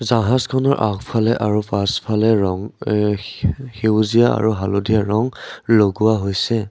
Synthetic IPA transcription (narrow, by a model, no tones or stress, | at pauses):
zaɦazkʰɔnɔɹʔakpʰalɛʔaɹupaspʰalɛɹɔŋ | xewzijaa̰ɹuɦaludijaɹɔŋloɡuwaɦojsɛ